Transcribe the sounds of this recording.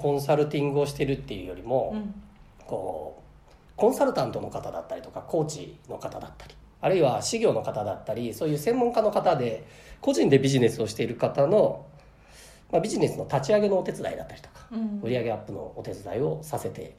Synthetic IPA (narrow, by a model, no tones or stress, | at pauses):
kõ̞saɾɯ̟t̪ʲĩŋɡɯ̟o̞ɕi̥t̪e̞ɾɯ̟t̪ːe̞jɯ̟ːjo̞̰ɾʲimo̞ | ko̞̰ː | kõ̞ɰ̃saɾɯ̟t̪ãnt̪o̞no̞kat̪ad̪a̰t̪ːaɾʲi̥t̪o̞kako̞ːt͡ɕḭno̞̰kat̪ad̪at̪ːḁɾʲi̥ | aɾɯ̟iβaɕiɡʲo̞ːno̞kat̪ad̪at̪ːaɾʲiso̞ːjɯːsẽ̞mːoŋkano̞kat̪ad̪e̞ | ko̞ʑĩnd̪e̞bʲiʑine̞sɨo̞ɕi̥t̪e̞iɾɯ̟kat̪ano̞ | mabʲiʑine̞sɨno̞t̪at͡ɕiaɡe̞no̞ːt̪e̞t͡sɨd̪a̰id̪a̰t̪ːaɾʲi̥t̪o̥kḁɯ̟ɾʲiaɡe̞apːɯ̟no̞̰ːt̪e̞t͡sɨd̪a̰io̞sase̞t̪e̞̰